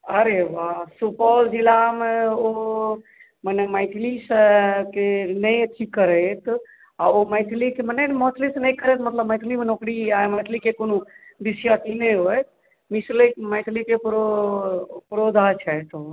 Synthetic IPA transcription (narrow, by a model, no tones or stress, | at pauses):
əɾeʋaɦsupɔld͡ʒilameo | mənemaɪʈlisəkenɛjt̪ʰikːəɾɛt̪ | a̰omajt̪ʰlikemənemot̪ʰlisnɛjkəɾɛt̪mət̪ləbmaɪt̪ʰlimenokɾiaemajʈ̪ʰlikekonod̪isjat̪ineɦoj | mislikmaɪʈ̪likepɾo | pɾod̪ʱat͡ʃʰɛt̪o